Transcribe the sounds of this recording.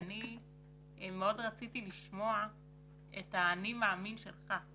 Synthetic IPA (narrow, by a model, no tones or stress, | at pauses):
ni | meo̞dʁat͡sit̪iliʃmo̞a | ḛt̪aːnimeaminʃe̞̰lχa